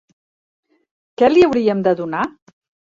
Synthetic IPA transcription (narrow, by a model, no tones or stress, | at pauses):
kɛliəwɾiəmd̪əðuna